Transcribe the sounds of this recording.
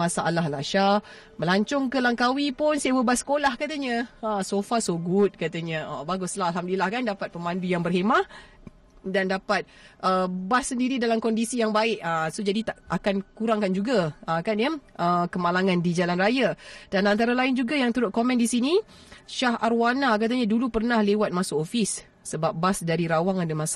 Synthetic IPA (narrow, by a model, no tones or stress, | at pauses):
asaʔalahlaʃa | məlaɲt͡ʃɔŋkəlaŋkawipʊnsiawəbasə̥kolahkat̪aɲə̃əsofasoɡʊt̪̚kat̪aɲə̃əbaɡʊslaalɦamdlilahkandapat̪̚pəmãndujaŋbərɦemaʔ | dandapat̪̚ʔəbasːəndiɾidalamkɔndisijaŋbaɪʔəsod͡ʒadit̪aʔakankuɾaŋkand͡ʒuɡaəkanjəʔəkəmalaŋandid͡ʒalanrajad̥anant̪aɾalaɪnd͡ʒuɡajaŋt̪əɾʊt̪̚komɛ̃ndisini | ʃahʔarwanak̬at̪̬aɲadulupərnahlewat̪̚masoʔofisː | əbap̚basdaɾiɾawaŋandəmãsa